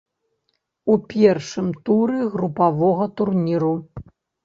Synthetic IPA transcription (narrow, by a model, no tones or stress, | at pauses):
upʲɛrʂɨmt̪uɾɨɣɾupavɔɣɐt̪urnʲiɾu